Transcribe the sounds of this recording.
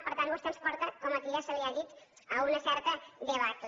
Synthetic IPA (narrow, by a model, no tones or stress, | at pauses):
pəɾt̪anwost̪ənspɔɾt̪əkɔmək̪iasəliaðit̪ | əunəsɛɾt̪əd̪eβat̪